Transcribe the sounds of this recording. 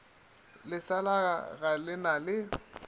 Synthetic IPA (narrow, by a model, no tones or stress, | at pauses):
lɪsalaɣa̰ɣalɪnalɪ